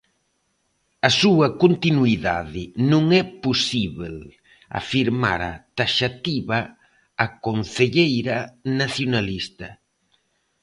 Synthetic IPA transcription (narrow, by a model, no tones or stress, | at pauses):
ɐsuɐkont̪inuiða̰ðɪnũŋɛposiβel | a̰fiɾma̰ɾa̰t̪aʃat̪iβɐː | konθeʎejɾɐnaθjonalist̪ɐ